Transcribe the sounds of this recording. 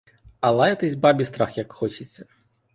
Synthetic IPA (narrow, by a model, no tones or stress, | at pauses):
ɐlˠajɐt̪ɛzʲbabʲist̪ɾaxjɐkxɔt͡ʃɪt͡sʲːɐ